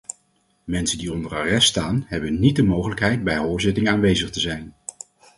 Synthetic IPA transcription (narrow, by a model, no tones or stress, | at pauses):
mɛnsəndiɔndəraːrɛstːtaːnɦɛbənːit̚dəmowχələkɦɛjd̚bɛjɦoːɹzɪtɪŋaːnʋejzəχtəzɛjn